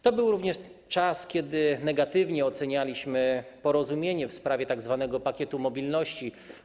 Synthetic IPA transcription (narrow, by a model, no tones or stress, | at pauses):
t̪ɔbɘwɾuvɲɛʂ | t͡ʂaskʲɛd̪ɘnɛɡat̪ɘvɲɛɔt̪sɛɲalʲiɕmɘpɔɾɔzumʲjeɲɛfspɾavʲjɛt̪aɡzvanɛɡɔpakʲɛt̪umɔbʲilnɔɕt͡ɕi